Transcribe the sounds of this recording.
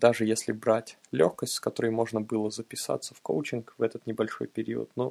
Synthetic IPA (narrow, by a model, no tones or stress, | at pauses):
d̪aʐɨjesʲlʲɪbɾatʲlʲoxkəsʲtʲskɐt̪o̞ɾəjmo̞ʐnəbɨlˠəzəpʲɪsa̰t̪sːə̥fko̰wt͡ɕɪnkvɛt̪ət̪nʲɪbɐlʲʂo̞̰jpʲɪɾʲḭwə̰t̪no